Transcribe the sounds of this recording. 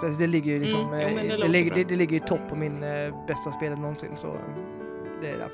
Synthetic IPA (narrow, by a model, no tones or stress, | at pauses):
asɔd̪ɛlɪɡːəɾjɵlɪksɔmɛlɪɡɡəɛd̪ɛlɪɡːəɾɪt̪ʰɔpːɔmɪnbɛst̪aspeːlənɔnsɪ̰nːsɔ̰ | d̪ɛæ̰ɾa̰